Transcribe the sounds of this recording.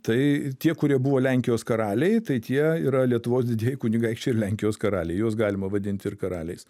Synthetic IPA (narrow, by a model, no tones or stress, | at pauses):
t̪ɐɪt̪ʲiɛkʊɾʲiɛbʊʋoːlʲɛŋʲkʲɪjoːskɐɾɑːlʲɛɪt̪ɐɪt̪ʲiɛiːɾɐlʲiɛt̪ʊʋoːs̬d̪ʲɪd̪ʲiɛjɪkʊnʲɪɡɐɪkʃt͡ʃʲɛɪɾlʲæŋʲkʲɪjoːskɐɾɑ̰ːlʲɛɪjuɔsɡɑːlʲɪmɐʋɐd̪ʲɪnʲt̪ʲɪrkɐɾɑːlʲɛɪs